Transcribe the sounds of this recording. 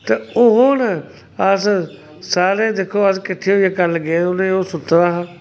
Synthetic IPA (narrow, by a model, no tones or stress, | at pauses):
t̪eʊɦoːnə | əs | saːɾeːd̪eːkʰoːəskɪʈʰːeːɦoieːkəɾləɡeːʊnẽoːsʊt̪ːɾaːɦãː